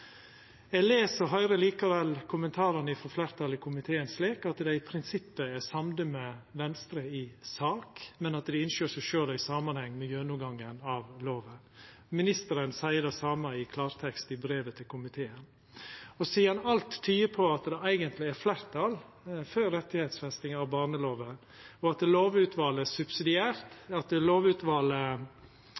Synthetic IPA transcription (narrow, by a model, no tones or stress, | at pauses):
ɛːɡleːsəɾɦœʏɾəliːkɑʋɛlkʰʊmənt̪ʰɑːɾənəɪfɔɾflæːɾt̪ʰɑlɪkʰʊmɪt̪ʰeːənsleːkɑt̪d̪ɛɪpʰɾɪnsɪpːəɛsɑmd̪əmɛʋɛnst̪ɾəɪsɑːkmɛnɑt̪d̪ɪɪnʃjøːʂæɪʃøːlæɪsɑːmɑnhɛŋːmɛjøːnʊɡɑŋːənɑʋloːʋə | mɪnɪst̪əɾənsæɪəd̪ɛsɑːməɪkʰlɑːɾt̪ʰɛkst̪ɪbɾeːʋət̪ʰɪlkʰʊmɪt̪ʰeːən | ɔsiːɑnɑlt̪ʰːyːəpʰɔɑt̪d̪ɛæɪɡənt̪lɪæɾflæɾt̪ʰɑl | føːɾɾɛt̪ːɪhet̪sfɛst̪ɪŋɑʋbɑːɾnəloːʋə | ɔɑt̪loːʋʉːt̪ʰʋɑːləsʉbsɪd̪ɪæːɾt̪ɑt̪loːʋʉːt̪ʋɑlə